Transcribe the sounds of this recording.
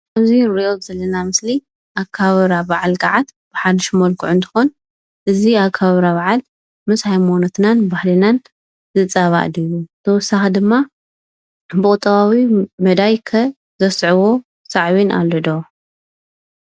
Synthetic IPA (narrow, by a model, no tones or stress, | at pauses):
ʔaβziɾiʔozɐlːɐnamɨsli | ʔakʰːaββɾabaʕalɡaʕat̪b̥ɨħad̪ɨʃmɐlkʰɨʕʊnt̪ʰɨ̥xon | ʔɨziakʰaβaβɾaβaʕal | mɨshajmonot̪nanbahlinan | zɨt͡sʼaβa̰ʔd̪ijut̪ʰɐwɔsːaxid̪ɨmːa | bɨkʼɨt̪ʼːɐβawimɐd̪ajkʰɐ | zɐsʕɨwo̞ | saʕβinʔa̰ld̪o